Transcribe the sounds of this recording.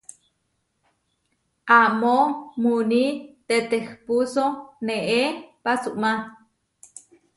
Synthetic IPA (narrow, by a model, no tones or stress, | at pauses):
ʔamomunit̪et̪expusoneʔepasuʔma